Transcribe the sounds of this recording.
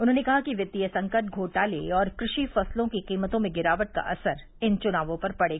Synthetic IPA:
ʊnɦõːnekɐɦakiʋjɐd̪ijəsɐ̃ŋkəʈ̚ɡʱoːʈaːlḛɔːɾkɾɪʃifɐslõkiqiːmət̪õmẽɡɪɾaːʋəʈ̚ka̰ʔɐsəɾ | ɪnt͡ʃʊnaːʋõpɐɾpɐɽeːɡaː

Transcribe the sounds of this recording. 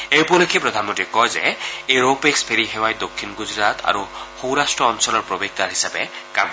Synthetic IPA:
ejpulokʰepɾɔd̪ʱanmõntiɛkɔjzɛ̰eɹopekspʰeɹiɦewajd̪okʰːinɡuzɹat̪ʰa̰ɹuxowɾasʈɹɔːnsɔlɔɹpɹobeɡ̚d̪aɹɦisabɛ̰ka̰m

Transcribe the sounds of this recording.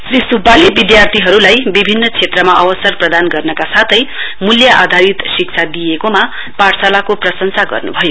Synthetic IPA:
srisubalibid̪jart̪ʰiɦʌɾulajbibʱinːʌt͡sʰet̪rʌmaʔʌwʌsʌrprʌd̪anɡʌrnʌkasat̪ʰʌjmuljaʔad̪ʱaɾit̪sik̚t͡sʰad̪ijekoma | parsalakoprʌsʌnsaɡʌ̰rnṵbʱʌjo

